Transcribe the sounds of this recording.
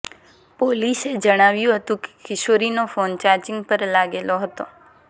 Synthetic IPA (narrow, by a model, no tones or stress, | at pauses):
polised͡ʒəɽ̃aʋjũɦət̪ũke̥kʰɪʃoɾinofont͡ʃaɾt͡ʃɪŋɡpəɾlaɡeloɦət̪o